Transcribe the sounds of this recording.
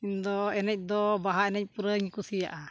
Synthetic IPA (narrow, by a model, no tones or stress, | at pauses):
ind̪ɔɛnɛc̚d̪ɔbaɦaɛnɛc̚puɾəŋikusija̰ʔa